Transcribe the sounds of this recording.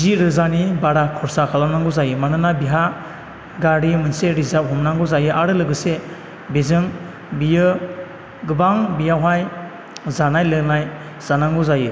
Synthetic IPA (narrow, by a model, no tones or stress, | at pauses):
ziɾɯzanibaɾakʰɔɾsakʰalanaŋɡuzajɯmanɯnabiɦa | ɡaɾimɯnseɾizap̚ɦɔmnaŋɡuzajɯʔaɾɯlɯɡɯse | bezɯŋ | bijɯ | ɡɯbaŋbijawɦaj | zanajlɯnaj | z̥anaŋɡɯzajɯ